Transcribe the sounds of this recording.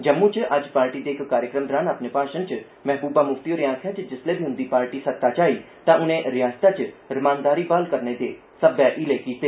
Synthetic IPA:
d͡ʒəmːũt͡ʃʔɐd͡ʒpaːɾʈiːd̪eːɪkːaːɾjəkɾəmɾaːnapnepaːʃənt͡ʃ | mɛɦbuːbamʊfʰt̪ioɾeãːkʰjaːt͡ʃd͡ʒɪsleːbʱiɦʊ̃nd̪iːpaːɾʈisət̪ːat͡ʃaːiː | t̪ãʔʊnẽɾɪjaːst̪at͡ʃɾɪmãːnd̪aːɾibaːlkəɾned̪eː | səbjaʔɪlekiːt̪eː

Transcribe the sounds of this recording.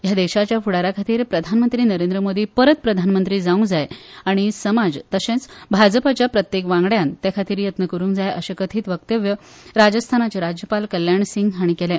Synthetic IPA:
jad̪eɕat͡ɕjafuɽaɾakʰat̪iːɾpɾəd̪ʱanmənt̪ɾiːnəɾẽnd̪ɾəmod̪ʱiːpəɾət̪̚pɾəd̪ʱanmənt̪ɾiːd͡zaũŋd͡zajaɽ̃isəmad͡zt̪əɕẽt͡sbʱad͡zpat͡ɕjapɾət̪jekʋãŋɡɽjant̪jakʰat̪iːɾjət̪nəkəɾuːŋkd͡zajʔəɕekət̪ʰiːt̪ʋəkt̪əʋjə | ɾad͡zəst̪ʰanat͡ɕeɾad͡ʑjəpalkəljaɳsiŋɡɦaɽ̃ikelɛ̃

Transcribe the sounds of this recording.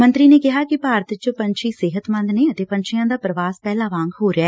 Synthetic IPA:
mə̃nt̪ɾiːneːkɪɦaːkɪpaːɾət̪t͡ʃəpənt͡ʃʰiːsɪɦət̪mə̃nd̪neːət̪eːpəɲt͡ʃʰɪjãːd̪aːpɾəʋaːspɛːlãːʋãːŋɡɦoːɾeaː

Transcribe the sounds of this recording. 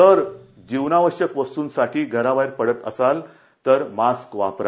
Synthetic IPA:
t̪əɾ | d͡ʑiʋnaʋəɕjəkʋəst̪uːnsaʈʰiːɡʱəɾaʋajɾpəɽət̪ə̰sal | t̪əɾmaskʋa̰pɾa

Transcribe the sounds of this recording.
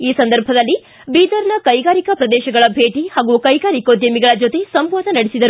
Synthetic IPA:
iːsɐnd̪ɐɾbʱɐd̪ɐlːi | biːd̪ɐɾnɐkɐjɡaːɾikɐpɾɐd̪ɛːʃɐɡɐɭɐbʱeːʈihaːɡukɐjɡaːɾikod̪jɐmiɡɐɭɐd͡ʒot̪e̞sɐmʋaːd̪ʱɐnɐɽesid̪ɐɾu

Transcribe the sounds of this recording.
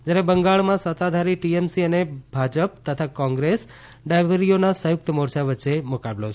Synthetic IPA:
d͡ʒjaɾebəŋɡaɭmãsət̪ad̪ʱaɾiʈiemsiənebʱad͡ʒəp̚t̪ət̪ʰakɔ̃ŋɡɾes | ɖajbəɾijonasə̃juk̚t̪əmoɾt͡ʃʰaʋətːʃemukablot͡ʃʰe

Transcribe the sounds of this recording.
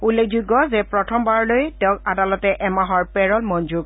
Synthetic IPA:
ulːekʰzuɡːɔzɛpɹɔtʰɔmbaɹlojtɛʊ̃kadalɔtɛʔɛmaɦɔɹpɛɹɔlmɔnd͡ʒuɡ̚

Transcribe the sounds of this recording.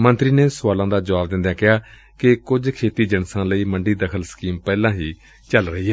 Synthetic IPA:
mə̃nt̪ɾiːneːsʊʋaːlãːd̪aːd͡ʒəʋaːb̚d̪ɪ̃nd̪jãːkɪɦaː | kɪkʊd͡ʒkʰeːt̪iːd͡ʒənsãːləiːmə̃ɳɖiːd̪əkʰəlsə̥kiːmpɛːlãːɦiː | t͡ʃəlɾəɦiːɦɛː

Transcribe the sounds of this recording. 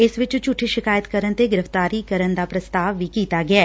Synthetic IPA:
ɪsʋɪt͡ʃt͡ʃʊʈʰːiʃɪkaːjət̪kəɾənt̪eːɡɪɾəft̪aːɾiːkəɾənd̪aːpɾəst̪aːʋːiːkiːt̪aːɡɪɛː

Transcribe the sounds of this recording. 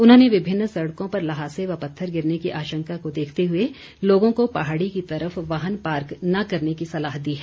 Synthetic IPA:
ʊnɦõːneʋɪbʱɪnːsɐɽkõpɐɾlɐɦaːseʋɐpɐt̪ʰːəɾɡɪɾnekiʔaːʃə̃ŋkakod̪eːkʰt̪eɦʊe | loːɡõkopaɦaːɽikit̪ɐɾəfʋaːɦənpaːɾknɐkɐɾnekisɐlaːɦd̪iːɦɛː

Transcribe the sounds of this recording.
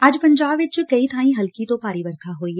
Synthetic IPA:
aːd͡ʒpɐ̃ɲd͡ʒaːbʋɪt͡ʃkɐit̪ʰaːĩɦɐlkit̪opaːɾiːʋəɾk̪ʰaɦoːiɦɛ

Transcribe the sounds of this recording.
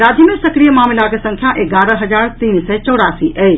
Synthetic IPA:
ɾaːd͡ʒimẽsɐkɾijəmaːmɪlakesɐ̃ŋkʰjaʔeɡaːɾə̃ɦɐd͡ʒaːɾt̪iːnsɛt͡ʃɔːɽaːsiʔɛː

